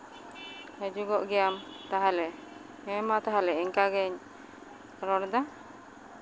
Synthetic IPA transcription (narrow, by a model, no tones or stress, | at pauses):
həd͡ʒuɡɔʔɡɛjamt̪aɦalɛ | ɛmat̪aɦalɛiɲkaɡɛɲ | ɾɔɽd̪a